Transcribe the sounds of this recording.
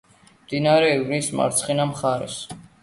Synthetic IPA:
md̪inaɾɛivnisma̰ɾt̪sʰχɛnamχaɾɛ̰s

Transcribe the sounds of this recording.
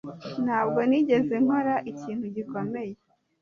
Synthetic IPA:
n̥haːbɡo̞niːɟe̞ze̞ŋ̥hoɾaʔiciːnhuɟiko̞me̞je̞

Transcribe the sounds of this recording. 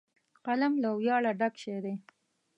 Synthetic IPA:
qalamlawjɑɭaɖakʃeɾe

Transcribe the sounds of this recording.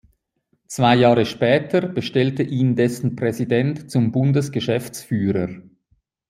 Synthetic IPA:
t͡sv̥aɪjaːʁəʃpɛːtʰəb̥əʃtɛltəʔiːndɛsn̩pʁɛzidɛntt͡sʊmbʊndəsɡ̥əʃɛft͡sfyːɾəɾ

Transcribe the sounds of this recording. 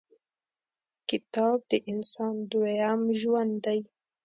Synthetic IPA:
kɪt̪ɑːb̚d̪əʔɪnsɑːnd̪ujamʒwand̪d̪aj

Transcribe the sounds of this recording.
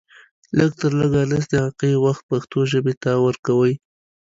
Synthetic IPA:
ləɡ̚t̪əɾləɡaləs̬d̪əaqejwaxt̪̚paxt̪oʒəbet̪awəɾkawəj

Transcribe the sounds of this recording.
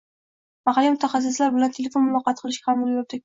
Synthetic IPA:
maχalːimʊt̪ʰaχas̬ɪslaɾbɪlant̪ʰe̞lʲefo̞nmʊlˠɒqɑt̪̚qʰɨlˠɪʃkʲaamʊlˠjop̚d̪ɪ

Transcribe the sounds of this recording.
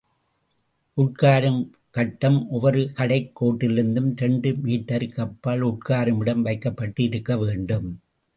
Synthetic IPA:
ʔʊʈ̚kaːɾɯm | kɐʈːɐmʔɔʋɐɾɯkɐɽɐɪkːoːʈːɪlɪɾɯnd̪ɯmt̪ɛɳɖɯmiːʈːɐɾkɐpːaːlʊʈkaːɾɯmɪɽɐmʋɐɪkːɐpːɐʈːɯɪɾɯkːɐʋeːɳɖɯm

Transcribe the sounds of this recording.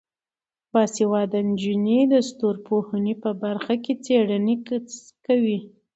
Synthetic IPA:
bɑsewɑd̪and͡ʒinid̪əst̪oɾpohənepəbaɾxaket͡seɽəne | kawi

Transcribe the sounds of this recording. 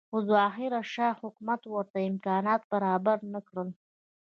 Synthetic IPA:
xʊzɑxiɾaʃɑhʊkmat̪wəɾt̪aɪmkɑnɑt̪̚b̥aɾɑbaɾnəkɽəl

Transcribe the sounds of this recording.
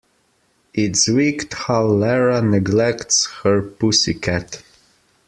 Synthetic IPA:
ɪtswikthaʊlɛɹanɨɡlɛktshə˞pusikʰɛt

